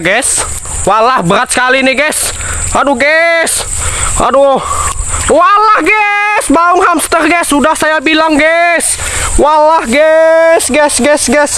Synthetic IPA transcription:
ɡɛs | walahbəɾat̪̚sə̥kaliniɡɛs | aduɡɛsa̰du | walahɡɛsbauŋɦamst̪ərɡɛsudahsajabilaŋɡɛs | walahɡɛsɡɛsɡɛsɡɛs

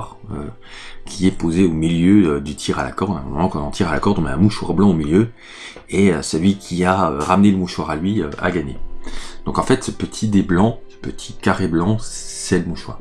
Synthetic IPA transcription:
ʁ | ø̰ | kʲʰiɛpozeomiljøød̪yt̪ʰiʁala̰kɔʁd̪ɛ̰̃mɔlɑ̃kɔ̃nɑ̃t̪iʁalakɔʁd̪ɔnaɛ̃muʃwaʁblɑ̃omiljø | eøsəlɥikʲʰiaø̰ʁamneləmuʃwaʁalɥiøa̰ɡaɲed̪̥ɔ̃kɑ̃fɛt̪səpət̪ʰid̪eblɑ̃əpət̪ʰi̥kaʁeblɑ̃ssɛləmuʃwa̰ːʁ

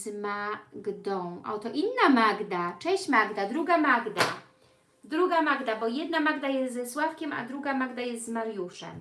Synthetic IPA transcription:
zmaɡd̪ɔ̃w̃ʔɔ̰t̪ɔʔinːamaɡd̪at͡ʂɛ̃w̃ɕt͡ɕmaɡd̪ad̪ɾuɡamaɡd̪a̰ | d̪ɾuɡamaɡd̪abɔjɛd̪̚namaɡd̪ajɛst̪zɛswafkʲɛma̰d̪ɾuɡamaɡd̪ajɛst̪zmaɾjuʂɛ̰m

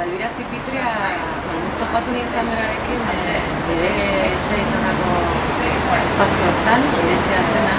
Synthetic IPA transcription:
alβiɾasipit̪ɾea | aðut̪o̞pat̪unint͡sand̪eɾaɾe̞kin | be̞ɾe̞ːt͡ʃeisand̪ako̞ | espasiooɾt̪aneðet͡sease̞na

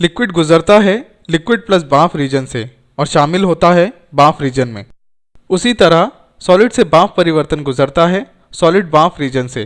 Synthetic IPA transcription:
lɪkwɪɖɡʊzəɾt̪aɦɛ | lɪkwɪɖ̚plɐs̬baːfɾiːd͡ʒənse | ɔːɾʃaːmɪlɦoːt̪aɦɛ | baːfɾiːd͡ʒənmḛ̃ː | ʊsit̪ɐɾəɦ | sɔːlɪɖsebaːfpɐɾɪʋəɾt̪ənɡʊzəɾt̪aɦɛ | sɔːlɪɖ̚baːfɾiːd͡ʒənse

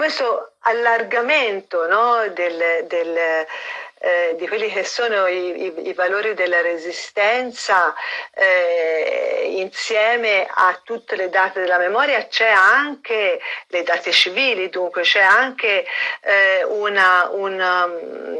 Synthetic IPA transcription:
kwest̪oalːarɡament̪onɔd̪eld̪el | d̪ikwelːik̟esːoːnoiiḭvaloːɾid̪elːaɾezist̪ɛnt̪saɛ | insjɛːmeat̪ːut̪ːeled̪aːt̪ed̪elːamemɔːɾjat͡ʃɛaŋkeled̪aːt̪et͡ʃiviːlid̪uŋkwet͡ʃɛaŋke | unaun

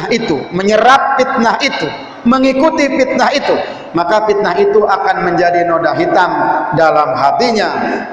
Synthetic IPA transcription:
ɦit̪ṵməɲəɾap̚fit̪̚naɦit̪u | məŋikut̪ifit̪̚naɦit̪u | makafit̪̚naɦit̪uakanməɲd͡ʒadinodaɦit̪aŋdalamɦat̪iɲa

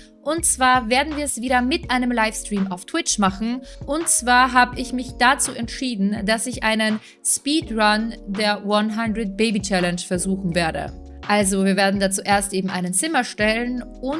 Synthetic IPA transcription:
ʔʊntt͡sv̥aːɐveːɐdn̩viːɐɛsv̥iːɾɐmɪtʔaɪnəmlaɪfstʁ̥iːmaʊftʰw̥ɪt͡ʃmaχn̩ʔʊntt͡sv̥aːɐɦaːbəɪçmɪçd̥at͡suːʔɛntʃiːdn̩dasɪçʔa̰ɪnən | spiːtʁandeːɐwanɦandʁət̚b̥eɪbit͡ʃɛlɛnʃfɛɐzuːxn̩veːɐdə̰ | ʔalzoviːɐveːɐdn̩dat͡suːʔeːɐstʔeːbm̩ʔaɪnənt͡sɪmɐʃtɛlənʔʊn

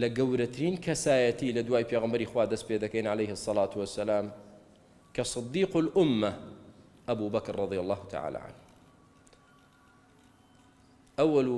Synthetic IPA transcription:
lɐɡɐwɾat̪ʰɪɾiːnkʰɐsaːjɐt̪iːlɐd̪waːjpeːɣambɐɾiːxwaːd̪ɐsped̪ɐkejnʕalejhɨsˤːɑlaːt̪wɐsːɐlaːm | kʰɐsˤɨd̪ːiːqʊlʔʊmːa | ʔabuːbɐkɾːˤɑd̪ˤijɐlˤːɑːhut̪ʰa̰ʕa̰ːla̰ːʕa̰nh | ʔawːɐl

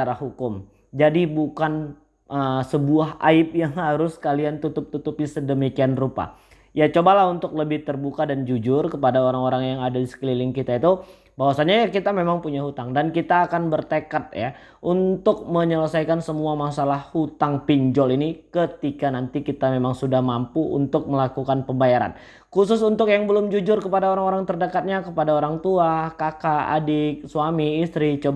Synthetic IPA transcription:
aɾahɦukʊm | d͡ʒadibukan | ʔəsəbuaɦʔa̰ɪp̚jaŋhaɾʊskaliant̪ut̪ʊp̚t̪ut̪up̚isədəmikianrupa̰ | jat͡ʃobalaunt̪ʊk̚ləbɪht̪ərbukadand͡ʒud͡ʒʊrkəpadaoɾaŋoɾaŋjaŋadadisə̥klilɪŋkit̪ait̪u | bawasaɲakit̪amemaŋpuɲaɦut̪aŋdankit̪aːkanbərt̪əkat̪̚ja̰ | ʔunt̪ʊk̚məɲələsajkansəmuamasalahhut̪aŋpiɲd͡ʒɔlinikət̪ikanant̪ikit̪amemaŋsudahmampuṵnt̪ʊk̚məlakukanpəmbajaɾa̰n | kusʊs̬unt̪ʊkjaŋbəlʊmd͡ʒud͡ʒʊrkəpadaoɾaŋoɾaŋt̪ərdəkat̪̚ɲakəpadaoɾaŋt̪uakakaa̰diksuamiːst̪ɾit͡ʃob

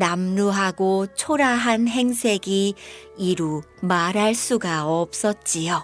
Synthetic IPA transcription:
namnuɦaɡot͡ɕʰoɾaɦanɦe̞ŋsʰe̞ɡiiɾu | maɾɦaɭs͈uɡaʌp̚s͈ʌt̚t͡ɕ͈ijo

